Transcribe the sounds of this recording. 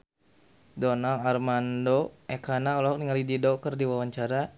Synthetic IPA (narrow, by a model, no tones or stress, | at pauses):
dɔnalarmandoɛkanaɔlɔɦɔk̚niŋalididɔkərdiwawaɲt͡ʃaɾa